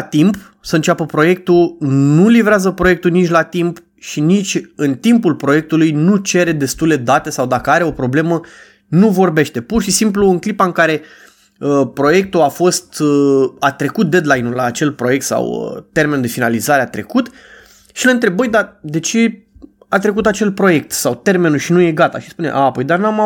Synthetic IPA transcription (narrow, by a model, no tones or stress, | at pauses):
at̪imp | səɨnt͡ʃʲapəpɾo̞je̞k̚t̪unulivɾeazəpɾo̞je̞k̚t̪unit͡ʃʲlat̪imp | ʃinit͡ʃʲɨnt̪impulpɾo̞jek̚t̪ulujnut͡ʃe̞ɾe̞d̪e̞st̪ule̞d̪at̪e̞sawd̪akəaɾe̞o̞pɾo̞ble̞mə | nuvo̞rbe̞ʃt̪e̞purʃisimp̬luːŋklipaɨŋkaɾe̞ | əpɾo̞je̞k̚t̪uafo̞st̪at̪ɾe̞kut̪̚d̪e̞d̪lajnulaːt͡ʃe̞lpɾo̞je̞k̚t̪sa̰wə̰t̪e̞ɾrmend̪e̞finalizaɾe̞at̪ɾe̞̰kut̪ | ʃileɨnt̪ɾebəjd̪ad̪e̞t͡ʃe̞ | at̪ɾe̞kut̪at͡ʃe̞lpɾo̞je̞k̚t̪sawt̪e̞rme̞nuʃinuje̞ɡat̪a̰ʃispunḛʔapo̞jd̪anuama